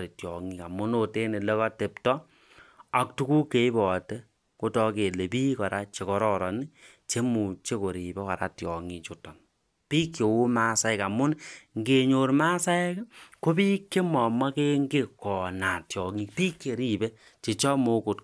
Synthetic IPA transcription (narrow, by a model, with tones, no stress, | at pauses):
ɾi˨tjɔ˨ŋi˨ka˨mʊ˦no˦te˦ne˨le˦kɔ˦te˨ptɔ˦ | a˨k̚tu˦ku˦ke˦i˦bɔ˨te˦ | ko˦tɔ˧ke˨le˨piː˦kɔ˨ɾa˦t͡ʃe˨kɔ˨˦ɾɔ˦˨ɾɔ˨ni˦ | t͡ʃe˦mu˨t͡ʃe˦ko˨ɾi˨bɛ˦kɔ˨ɾa̰˨tjɔ˨ŋi˨t͡ʃo˨tɔ˨n | pi˦kjo˨wu˦ma˦sa˦ɪ˦ka˨mʊ˦nŋɡe˨ɲo˨ɾma˦sa˦ɪ˦kko˦pi˦kːe˦mɔ˨ma˦ke˦ŋɡe˦kɔ˨na˨tjɔ˨ŋi˦kpi˦ke˨ɾi˦˨be˦ | t͡ʃe˨t͡ʃɔ˦mo˦ku˨t